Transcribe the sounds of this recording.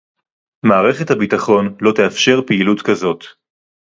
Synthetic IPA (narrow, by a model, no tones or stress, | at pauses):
maːʁe̞χe̞thabitaχo̞nlo̞teafʃe̞ʁpiilutkazo̞t